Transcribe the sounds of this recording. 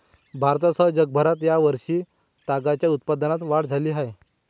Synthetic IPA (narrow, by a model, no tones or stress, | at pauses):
bʱaɾt̪asəɦd͡ʑəɡ̚bʱəɾat̪jaʋəɾʂiː | t̪aɡat͡ɕjaut̪̚pad̪nat̪ʋaɽd͡zʱaliːɦaj